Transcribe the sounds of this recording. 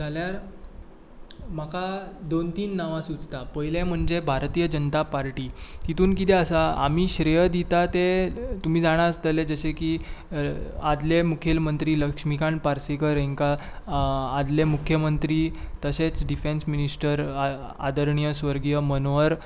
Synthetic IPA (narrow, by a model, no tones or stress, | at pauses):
d͡zʱaljaɾ | makʰad̪ont̪iːnːaʋãsud͡zt̪apəjlẽm̤əɳd͡zebʱaɾt̪iːjəd͡ʑənət̪apaɾʈiːt̪it̪ʰuːnkit̪̬eəsaa̰m̤iːɕɾejəd̪it̪at̪et̪um̤iːd͡zaɽ̃aəst̪əled͡zəɕeki | ad̪lemukʰelmənt̪ɾiːləkʂmikãɳpaɾsikəɾeŋka | ad̪lemukʰjəmənt̪ɾiːt̪əɕet͡sɖifensminisʈəɾ | a̰d̪əɾɳijəsʋəɾɡijəmənʋəɾ